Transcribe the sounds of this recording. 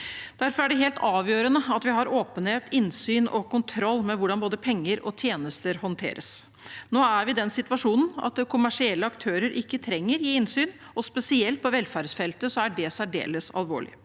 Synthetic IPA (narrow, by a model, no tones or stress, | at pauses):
d̪̥æɾfɔɾæɖɛɦeːlt̪ʰɑːʋjøːɾənəɑt̪ʋɪɦɑɾoːpənheːt̪ɪnsyːnɔ̰kʊnt̪ʰɾɔlːmɛʋʊɖɑnboːd̪əpʰɛŋːəɾɔ̰t̪ʰjeːnəst̪əɾhɔnt̪ʰḛːɾəs | noːæɾʋɪd̪ɛnsɪt̪ʋɑʂuːnn̩ɑ̰t̪kʰʊmæʂɪɛlːəɑkt̪ʰøːɾəɾʔɪkːət̪ʰɾɛŋːəɾjiːɪnsyːn | ɔspɛsɪɛlt̪̚pʰɔʋɛlfæɾsfɛlt̪əsɔæɖɛsæɖḛːləsɑ̰lʋo̰ːɭɪ̰